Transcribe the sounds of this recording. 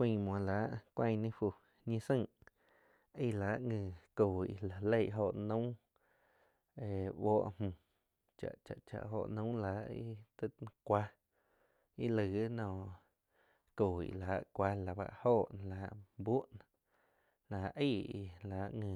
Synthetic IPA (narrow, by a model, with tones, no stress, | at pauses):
ĩ˧mwɔ̃˨la˨˦ʔkʷã˧˨˧nĩ˦fu˧˨ | ɲĩ˧sə̃˦˧˨ | i˧laː˨˦ʔŋɨ̃ː˧˨koː˨ḭ˧˨la˨le˦˧˨ʔɦo˧˨ʔnũ˦ | e˨wɔː˦ʔm̥ũ˧˨ | t͡ʃa̰˨ʔt͡ʃa̰˨ʔt͡ʃa̰˨ʔɦo˧ʔnũ˦la˨˦ʔḭ˦t̪ɨ˦˧kʷa˧ | i˦lɨ˨˦nɔ̃ː˧˨ | koː˨ḭ˧˨laː˨˦ʔkʷa˧la˨ba̰˧ʔhoː˦˧˨ʔla˨˦ʔbu˦ʔn | la˨˧ʔi˦˧˨i˧la˨˦ʔŋɨ̃˧˨